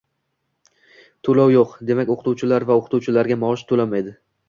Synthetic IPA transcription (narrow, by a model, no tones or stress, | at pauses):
t̪ʰolawjoqd̪e̞makʲoqʰt̪uwt͡ʃʰɪlaɾvaoqʰt̪uwt͡ʃʰɪlaɾɡʲamaɒʃt̪ʰolamajd̪ɪ